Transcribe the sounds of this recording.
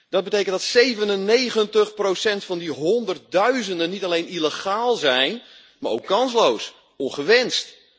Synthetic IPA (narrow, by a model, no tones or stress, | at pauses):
d̥ɑd̚bətejkəntdɑtsejvənənːejχəntəχprowsɛntfɑndiɦɔndərt̚dœɥzəndənːitalejniləχaːlˠzɛjn | maːɾo̰wkːɑnslows | ɔnχəʋɛnst